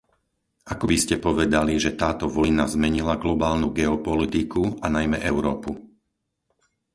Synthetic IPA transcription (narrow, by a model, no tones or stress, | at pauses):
akɔbiscɛpɔʋɛd̪aliʒɛt̪aːt̪ɔʋɔjnazmɛɲilaɡlɔbaːlnuɡɛɔpɔlit̪ikuanajmɛʔɛʊɾɔːpu